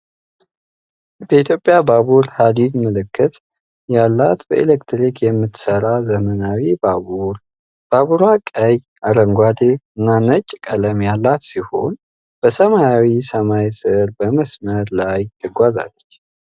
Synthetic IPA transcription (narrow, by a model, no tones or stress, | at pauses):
bəit̪ʰjo̞pʼːjabaβuɾhalidməlɨkːɨt̪ | jalːat̪bəʔelekt̪ɾikʰjɛmːɨt̪səɾazəmənawibaβuɾ | b̥aβuɾakʼəj | aɾəŋɡʷad̪eɨnːanət͡ʃʼkʼələmjalːat̪siho̞n | b̥əsəmajawisəmajsɨɾbəməsməɾlajt̪ʰɨɡʷaza̰lːət͡ʃː